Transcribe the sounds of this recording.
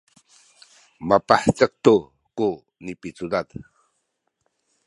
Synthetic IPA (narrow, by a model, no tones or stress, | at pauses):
mapaħt͡sək̚t̪u | ku | nipit͡sud̪at̪